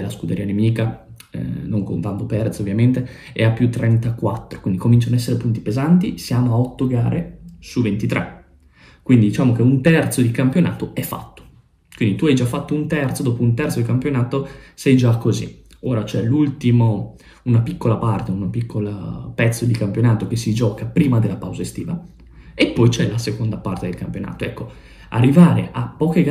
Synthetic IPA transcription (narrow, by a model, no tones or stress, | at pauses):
laskud̪eɾiːanemiːka | noŋkont̪ant̪opɛrt̪sovːjament̪e | eapːjut̪ːɾɛnt̪akwat̪ːɾokwind̪ikomint͡ʃanoɛsːeɾepunt̪ipezant̪isjaːmoaɔt̪ːoɡaːɾesuvent̪it̪ɾʔɛ̰ | kwind̪id̪it͡ʃaːmok̟eunt̪ɛrt̪sod̪ikampjona̰ːt̪oɛfːa̰t̪ːo̥ | kwind̪it̪uajd͡ʒafːat̪ːount̪ɛrt̪sod̪ɔːpount̪ɛrt̪sod̪ikampjonaːt̪osɛjd͡ʒakːozḭ | oːɾat͡ʃɛlult̪imo | unapikːolapart̪eunapikʰːola̰pɛt̪sːod̪ikampjonaːt̪ok̟esːid͡ʒɔːkapɾiːmad̪elːapawzaest̪ḭːva | epːɔjt͡ʃɛlasekond̪apart̪ed̪elkampjona̰ːt̪oɛkːo | a̰rːivaːɾḛʔapːɔːkeɡ